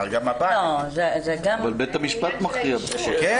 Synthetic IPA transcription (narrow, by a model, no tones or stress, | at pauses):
alɡamːabaozezeɡaavalbet̪hamiʃpat̪maχt̪iabʃkɛ